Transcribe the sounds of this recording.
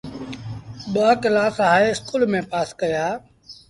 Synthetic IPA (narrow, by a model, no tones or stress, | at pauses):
ɓaːkɪlaːsɦaːeɪskuːlmẽːpaːskəjaː